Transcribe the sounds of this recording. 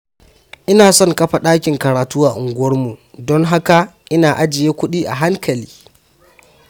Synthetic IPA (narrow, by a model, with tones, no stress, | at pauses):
ʔɪ˦naː˨sɔ˦ŋkɐ˦ɸa˨ɗaː˦kʲɪ˨ŋkɐ˨ɾaː˨tuː˦waː˨ʔʊ˨ŋɡʷʊ˦wɐ˦rmu˨dɔ˦ŋɦa˦ka˨ʔɪ˦naː˨ʔa˦d͡ʒɪ˨jeː˦kʷʊ˦ɗiː˦ʔa̰˨ɦa˦ŋkʰɐ˨liː˦